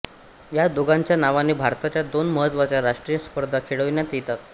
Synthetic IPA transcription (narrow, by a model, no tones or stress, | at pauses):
jad̪uɡaɲt͡ɕjanaʋanebʱaɾt̪at͡ɕjad̪onməɦət̪ʋat͡ɕjaɾaʂʈɾijəspəɾd̪ʱakʰeɽəʋnjat̪it̪a